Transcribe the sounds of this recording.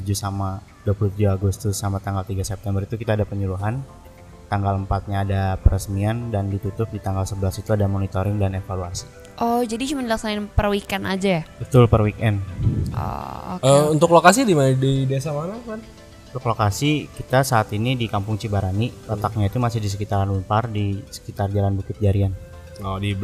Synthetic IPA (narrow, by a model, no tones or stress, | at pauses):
d͡ʒusama | duapulut̪ud͡ʒuaɡust̪ʊsːamat̪aŋɡalt̪iɡasɛp̚t̪ɛmbərit̪ukit̪aːdapəɲuɾuɦan | t̪aŋɡaləmpat̪̚ɲaːdapəɾəsmiandandit̪ut̪ʊp̚dit̪aŋɡalsəbəlasit̪uadamonit̪oɾɪŋdanefaluasi̥ | ʔɔd͡ʒadit͡ʃumandəlaksanaɪnpərwikɛnad͡ʒajabət̪ʊlpərwikɛnɔ̰əunt̪ʊklokasidimandideesamanakan | unt̪ʊklokasikit̪asaːt̪inidikampʊŋt͡ʃibaɾanilət̪ak̚ɲait̪umasɪhdis̬əkit̪aɾanlunpardisə̥kit̪ard͡ʒalanbukɪt̪̚d͡ʒaɾian | ɔdib